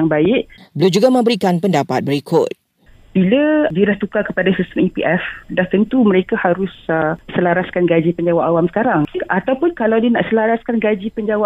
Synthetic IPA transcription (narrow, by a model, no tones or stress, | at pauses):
aŋbaɪʔbəlumd͡ʒuɡamə̃mbəɾikanpəndapa̰t̪̚bəɾikʰʊt̪̚ | b̥ilədiədaht̪ukakəpadasist̪əmipiʔɛfdaht̪ənt̪uməɾekahaɾʊssəlaɾaskanɡad͡ʒipəɲd͡ʒawaʔawamsə̥kaɾaŋat̪awpʊnkalawdiənaʔsəlaɾaskanɡad͡ʒipəɲd͡ʒawaʔ